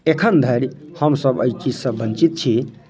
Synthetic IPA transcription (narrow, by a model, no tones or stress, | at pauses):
ekʰənd̪ʱəɾhəmsəbə̰jt͡ʃisə̃bənt͡ʃit̪̚t͡ʃʰi